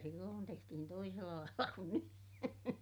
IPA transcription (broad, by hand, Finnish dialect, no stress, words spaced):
silːoːn tehtihin toiselːɑ lɑilːɑ kun ny